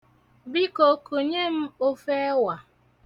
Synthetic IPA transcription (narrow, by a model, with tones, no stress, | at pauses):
bi˦ko˨˦ku˨ɲe˦m̩˦o˦fe˦wa˨